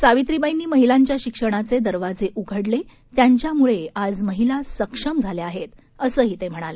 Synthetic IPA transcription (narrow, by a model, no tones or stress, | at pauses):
saʋit̪ɾibəjniːməɦilaɲt͡ɕjaɕikʂəɽ̃at͡sed̪əɾʋad͡zeʔuɡʱəɽle | t̪jaɲt͡ɕjamuɭead͡zməɦilasəkʂəmd͡zʱaleaɦet̪ | əsəːɦiːt̪em̤əɽ̃alə